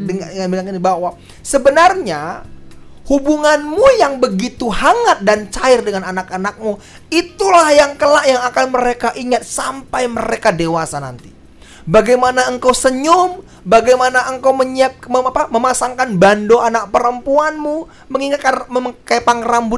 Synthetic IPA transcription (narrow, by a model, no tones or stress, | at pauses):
dəŋanbilaŋanibawa | səbənarɲa | hubuŋanmujaŋbəɡit̪uhaŋat̪̚dant͡ʃaɪrdəŋananakanak̚mu | it̪ulahjaŋkəlaʔjaŋakanməɾekaʔiŋat̪̚sampajməɾekadewasana̰nt̪i | baɡajmanaəŋkawsəɲʊm | baɡajmanaʔəŋkawməɲiap̚məapaməmasaŋkanbandoanak̚pəɾəmpuanmu | məŋiŋat̪̚kanməkepaŋrambʊ